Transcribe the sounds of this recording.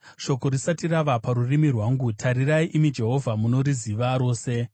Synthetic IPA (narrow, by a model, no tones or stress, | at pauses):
ʃo̞ko̞ɾisatiɾaʋapaɾurimirwaːŋɡutʰaɾiraiʔimid͡ʒe̞ɦo̞vʱamuno̞ɾiziʋaɾo̞ːse̞